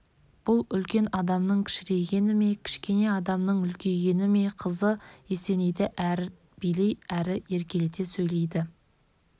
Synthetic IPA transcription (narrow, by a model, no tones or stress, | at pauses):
b̥ʊlˠʏlkʲe̞nɑd̪ɑmnəɴkʲʰɪ̥ʃɪɾe̞ɡʲe̞nɪme̞kʲʰɪ̥ʃkʲe̞ne̞ɑd̪ɑmnəɴʏlkʲe̞ɡʲe̞nɪme̞qʰəzəe̞se̞nejd̪ɪʔæɾ | b̥ijle̞jæɾɪe̞ɾkʲe̞let̪e̞sɵjle̞jd̪ɪ